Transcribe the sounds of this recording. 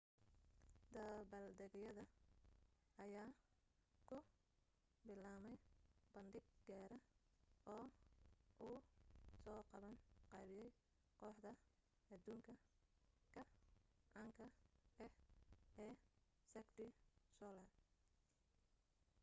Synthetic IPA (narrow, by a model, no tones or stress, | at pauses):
d̪ɐbɐld̪ɛɣjɐðɐ | ɐjaː | kʰʊ | bɪlaːmɛjb̥ɐnd̪ɪɡ̚ɡaːɾɐʔɔː | ʔʊːsɔːqɑβɐnqɑːβɪjɛj | qɔːħd̪ɐ | ɐd̪uːŋkʰɐ | kʰɐʔɑŋkʰɐɛ | ɛː | sɛɡt̪ɪsɔːlɐ